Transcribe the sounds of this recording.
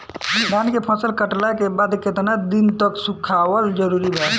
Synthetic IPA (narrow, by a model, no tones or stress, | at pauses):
d̪ankepʰə̃səlkəʈlakebad̪ket̪nad̪int̪əksukʰawəld͡ʒəɾuɾibʱɛ